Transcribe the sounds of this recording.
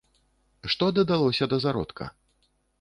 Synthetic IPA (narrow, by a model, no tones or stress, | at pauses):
ʂt̪ɔd̪ɐd̪alˠɔsʲɐd̪ɐzaɾɔ̰t̪kʰɐ̰